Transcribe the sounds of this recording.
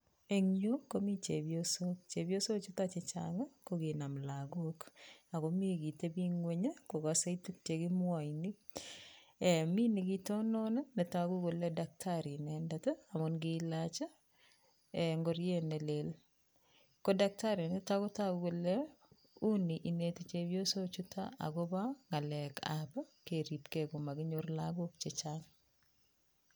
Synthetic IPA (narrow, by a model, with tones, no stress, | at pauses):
e˨ŋjo˦ko˦mi˦t͡ʃe˨bjosokt͡ʃe˨bjo˦so˦t͡ʃo˦tat͡ʃe˨t͡ʃa̰ŋa˦koɡi˨na˨mla˨ɡoka˨ko˦mi˦˨ɡi˨te˦bi˦ŋwe˦ɲa˦ko˨kase˦i˦tu˦kte˨ɡɪ˦mwa˨ini˦ | ɛ˨mi˦ni˨ɡi˦tɔ˦nɔ˦na˦nɛ˨taɡu˦ɡo˨lɛ˦da˨k̚tʰaɾi˨nɛndata˦a˨mɔnɡilat͡ʃa˦ | eŋɡɔ˦ɾjenɛ˨lel | kɔ˦dak̚taɾi˨nɛ˦ta˦kɔ˦ta˦ɡu˨ɡo˨lɛ˦ | u˦niʔi˨ne˨ti˨t͡ʃe˦wjo˦so˦t͡ʃu˦tʰa̰˦a̰ɡɔ˦ba˦ŋa˨lɛ˨kʰa̰pa˦ke˨ɾi˨pke˨ko˨ma˨ɡɪ˦ɲo˦ɾlaɡok̚t͡ʃet͡ʃaŋ